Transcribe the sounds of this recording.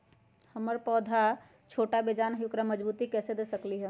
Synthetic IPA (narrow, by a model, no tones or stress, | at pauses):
həməɾpɔːd̪ʱa | t͡ʃʰoːʈabed͡ʒaːnɦjʊkɾaməd͡ʒbuːt̪ikɛːsed̪eːsəkliɦɛ